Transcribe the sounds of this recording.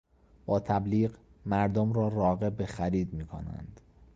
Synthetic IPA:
b̥ɒːt̪ʰæbliːɢmæɾd̪omɾɒːrɒːɣe̞bexæɾiːd̪miːkʰo̰næ̰nd̪̥

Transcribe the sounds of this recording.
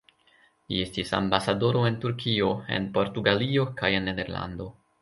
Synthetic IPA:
lie̞stisa̰mbasado̞ɾo̞e̞ntuɾkio̞e̞̰npo̞ɾtuɡalio̞kaje̞nːedeɾla̰ndo̞

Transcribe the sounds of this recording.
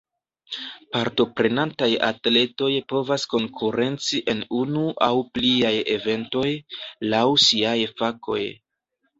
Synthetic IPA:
paɾto̞pɾe̞nantaja̰tle̞to̞jpo̞vasko̞ŋkʰuɾe̞nt͡siʔe̞nunuʔawpliaje̞ve̞nto̞jlawsiajfako̞̰j

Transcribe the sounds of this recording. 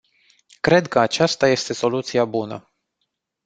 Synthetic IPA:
kɾe̞d̪kəat͡ʃast̪aje̞st̪e̞so̞lut̪siabunə̰

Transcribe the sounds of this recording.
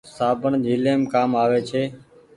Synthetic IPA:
saːbʱəɳd͡ʒʱiːleːmkaːmaːʋeːt͡ʃʰeː

